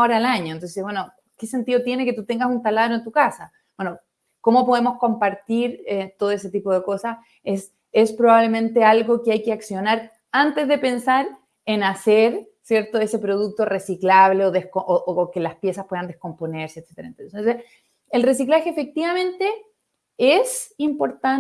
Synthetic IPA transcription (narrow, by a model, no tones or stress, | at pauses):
oɾaːlaɲo̞ent̪o̞ns̬ebwe̞no | kesent̪iðot̪je̞ne̞ket̪ut̪eŋɡasunt̪alaðɾoent̪ukasa | bwe̞no | ko̞mo̞poðemo̞sko̞mpaɾt̪iɾet̪oðoes̬et̪ipo̞ð̞eko̞sas | es | espɾoβaβle̞mẽ̞nt̪e̞alɣo̞keajkeaksjo̞naɾ | ant̪e̞zðe̞pe̞nsaɾ | enaseɾ | sje̞ɾt̪oe̞sepɾo̞ð̞uk̚t̪o̞resiklaβle̞oðehkoʔoʔookelaspje̞saspweand̪ehko̞mpone̞ɾseːt̪set̪eɾaent̪ot̪onse | elre̞siklaxeːfe̞k̚t̪iβamẽ̞nt̪e̞ | esimpo̞ɾt̪a